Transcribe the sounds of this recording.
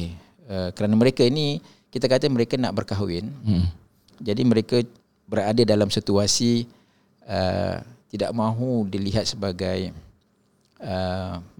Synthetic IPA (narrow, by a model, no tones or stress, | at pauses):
əkəɾanaməɾekaini | kit̪akat̪aməɾekanaʔbərkaɦwɪ̰n | d͡ʒadimə̃ɾeka | bəɾadadalamsit̪uasi | ə̰t̪ida̰ʔmãɦudiliɦat̪̚səbaɡaj | ə